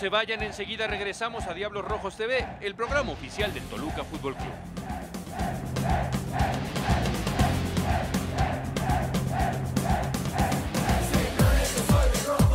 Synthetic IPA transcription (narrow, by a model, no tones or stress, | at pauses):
se̞βaʝane̞nse̞ɣiðare̞ɣɾe̞samo̞saðjaβlo̞sro̞xo̞st̪e̞βeelpɾo̞ɣ̞ɾamaofisjald̪ent̪o̞lukafut̪̚bo̞lkṵβ